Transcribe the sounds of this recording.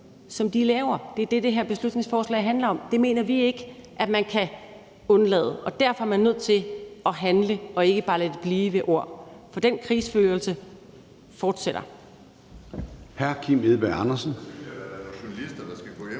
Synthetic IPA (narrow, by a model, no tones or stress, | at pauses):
sɒ̽md̥ilɛːʊɐd̥e̝æɐd̥e̝d̥e̝ɦeɐ̰b̥eslud̥ne̝ŋsfɒːslɛ̰ɪ̰ɦænlɐɒ̽md̥e̝me̝ːnɐʋie̝ɡ̥əʔæd̥mænkʰæ | ɔ̽nlɛ̰ːðˠəʔɒ̽d̥æɐfɒ̽æɐmænːøð̰ˠt͡sʰe̝ɒ̽ɦænləɒ̽e̝ɡ̥əb̥ɑ̈ːlæd̥əb̥liːʋeʔo̝ɐ̰fɒ̽d̥en̰kʰʁiːsføːlsə | fɒːd̥seɾ̥ɐ | hæɐ̰kʰim̰eðˠb̥eɑnɐsn